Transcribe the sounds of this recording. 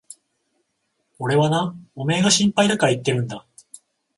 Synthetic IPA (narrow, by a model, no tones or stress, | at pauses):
o̞ɾe̞βanao̞me̞ːɡaɕĩmpaid̪akait̪ːe̞ɾɯ̟̃nd̪a